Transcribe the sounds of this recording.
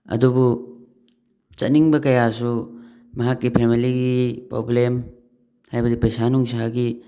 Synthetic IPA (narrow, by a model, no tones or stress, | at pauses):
ɐ̰dubu | t͡ʃɐ̰t̚niŋbɐkɐjasu | mɐɦakːipʰemiliɡipɾo̰blem | hajbɐdipɐjsanuŋsaɡi